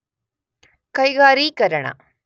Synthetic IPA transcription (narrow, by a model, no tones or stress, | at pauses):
kɐjɡaːɾiːkɐɾɐɳɐ̰